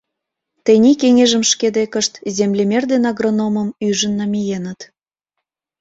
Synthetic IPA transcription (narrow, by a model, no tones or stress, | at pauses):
t̪ənʲikeŋeʒə̆mʃked̪ekəʃt̪zʲemlʲemʲerd̪enɑɣronomə̆myʒə̆nːɑmijenət̪